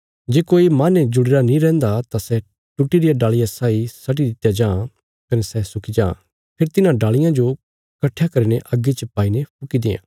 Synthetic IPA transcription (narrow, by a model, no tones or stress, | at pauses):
d͡ʒeːkoːimãːned͡ʒʊɽeɾanĩɾɛ̃ːnd̪at̪asɛ | ʈʊʈːiɾɪjaɖaːɭɪjãsaːisɐʈ̬id̪ɪt̪jad͡ʒãː | kɐnɛsɛsʊkid͡ʒã̰ː | pʰeɾt̪ɪnãɖaːɭɪjãd͡ʒo | kɐʈʰjakɐɾineʔɐɡːet͡ʃɐpaːinepʰʊkid̪eːã̰